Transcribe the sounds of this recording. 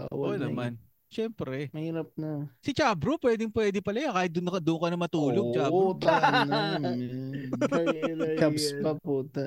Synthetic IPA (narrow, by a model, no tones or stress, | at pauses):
wʔonɐman | ʃɛmpɾɛmɐhiːɾɐp̚nɐsɪt͡ʃaːbɾopwɛd̪ɪŋpwɛːd̪ɪpɐlɐjakaːhɪt̪̚d̪ʊnkɐd̪ʊʔŋkɐnɐmɐt̪uːloɡ̚t͡ʃaːot̪nɐ | kabspɐpuːt̪ɐ